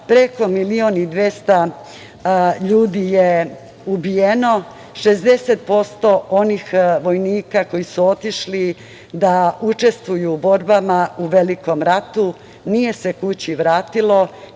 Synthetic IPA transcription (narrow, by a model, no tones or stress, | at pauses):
pɾe̞ko̞milio̞nid̪ʋest̪a | ʎuːd̪ije | ubijeno̞ | ʃe̞zd̪e̞set̪̚po̞st̪o̞o̞nixʋo̞jniːkako̞jisuo̞t̪iʃli | d̪aut͡ʃe̞st̪ʋujuːbo̞ɾbamauʋe̞liko̞mɾat̪u | nije̞se̞kut͡ɕiʋɾaːt̪ilo̞